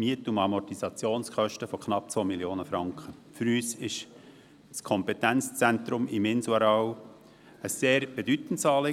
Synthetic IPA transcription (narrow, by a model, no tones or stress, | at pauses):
miətumɑmɔtisɑt͡sjoːnskœʃtəfɔkχnɑp̚t͡sʋoːmiljoːnəfɾɑŋkχə | fyɾyːsɪʃ | skʰɔmpɛtænt͡st͡sænt̪ɾʊmɪmɪnsɑɾɑw | əseːɾb̥edyt̪n̩tsɑːleː